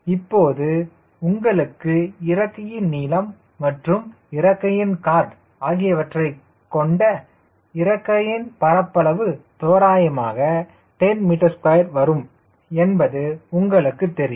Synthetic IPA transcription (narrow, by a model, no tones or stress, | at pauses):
ɪpːoːðɯ | ʊŋɡɐɭɯkːɯɪɾɐkːɐjɪnniːlɐmː | ɐʈrɯm | ɪɾɐkːɐjɪnkaːɾʈ | aːɣɪjɐʋɐʈrɐɪ | kːɔɳɖɐ | ɪɾɐkːɐjɪnpɐɾɐpːɐɭɐʋɯt̪oːɾaːjɐmaːɣɐ | ʈɛnmɪʈɐɾskɐjɐɾʋɐɾɯm | ɛnbɐðɯʊŋɡɐɭɯkːɯt̪ːɛɾɪ